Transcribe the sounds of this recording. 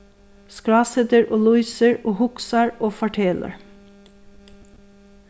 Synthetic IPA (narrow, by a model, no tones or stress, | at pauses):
skɹɑːsɛd̪əɹʔoːlʊʏsəɹʔoːhʊksɑɹoːfɑʈʰeːlʔə̰ɹ